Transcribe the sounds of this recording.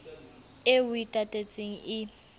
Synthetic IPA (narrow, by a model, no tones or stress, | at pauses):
ewʊitʼatʼet͡sʼeŋ̩ɪ